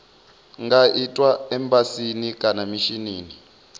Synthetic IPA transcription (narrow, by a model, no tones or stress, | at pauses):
ŋɡaʔitʼwaɛmbasinikʼanamiʃiniːni